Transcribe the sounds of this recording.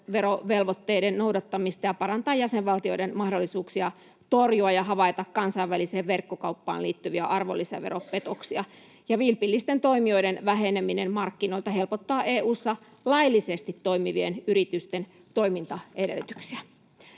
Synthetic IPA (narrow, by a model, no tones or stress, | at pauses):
ʋeɾoʋelʋot̪ːeidennoudɑt̪ːɑmist̪ɑjɑpɑrɑnt̪ɑːjæseʋʋɑlt̪ioidenmɑhdolːisuːksiɑ | t̪orjuɑjɑɦɑʋɑit̪ɑkkɑnsɑiʋʋæliseːʋʋerkːokɑupːɑ̰ːnliːt̪ːyʋiæʔɑrʋo̰lːisɑ̰ʋeɾoppet̪oksiɑ | jɑʋilpilːist̪ent̪o̞imioidenʋæheneminemmɑrkːino̞ilt̪ɑhelpot̪ːɑːʔeːʔuːsːɑ | lɑilːisest̪it̪toimiʋienyɾit̪yst̪en | t̪o̞imint̪ɑʔedḛlːt̪y̥ksiæ